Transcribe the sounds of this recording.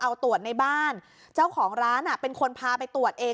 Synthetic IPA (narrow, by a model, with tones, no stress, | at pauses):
ʔa˧wt̪u˨˩ət̪̚na˧jbaː˥˩n | t͡ɕa˥˩wkʰɔː˩˦ŋɾaː˦˥nʔa˨˩pe˧nkʰo˧npʰaː˧pa˧jt̪u˨˩ət̪̚ʔeː˧